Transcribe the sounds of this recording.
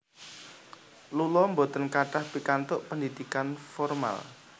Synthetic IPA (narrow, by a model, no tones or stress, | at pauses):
lulɔmbot̪ənkaʈahpikant̪ʊʔpəndid̪̥ikanfɔrma̰l